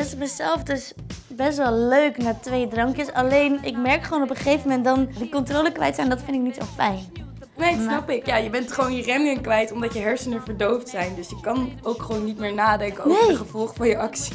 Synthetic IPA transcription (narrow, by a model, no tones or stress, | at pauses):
ɪsətməzɛlˠfdɵs | bɛs̬tʋɛlˠløɥknaːtʋejdrɑŋkjəsɑ̰lejnɪkmɛɹkχəʋownɔpəχejvəmɛntdɑndikɔntroːləkʋɛ̰jtsɛjnndɑtfɪndɪk̚nitso̰fɛ̰jn | nejsnɑpɪkjaːjəbɛntχəʋownjərɛnənkʋɛjtɔmdɑtjəɦɛɹsənəvəɹdowftsɛjndɵsjəkɑnowkχəʋownːitmɪːɹnaːdɛŋkəowevəjəχəvɔlˠχəfɑnjəɑksi̥